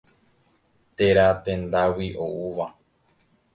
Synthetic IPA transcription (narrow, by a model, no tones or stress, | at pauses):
t̪e̞ɾat̪ẽ̞nd̪awiʔouʋa